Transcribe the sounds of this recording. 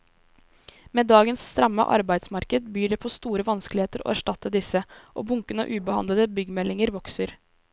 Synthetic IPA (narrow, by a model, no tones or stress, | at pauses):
meːd̪ɑːɡənsst̪ɾɛmːə̰ʔɑ̰ɾbæɪd̪smɑɾkəd̪̚byːɖɛːpʰɔst̪uːɾəʋɑnskəlɪheːt̪əɾo̰ːæʂʈɑt̪ːəd̪ɪsəʔo̰ːbʊŋkənə̰ʔʉːbəhɑ̰nd̪ləd̪əbʏɡəmɛlːɪŋəɾʋɔksəɾ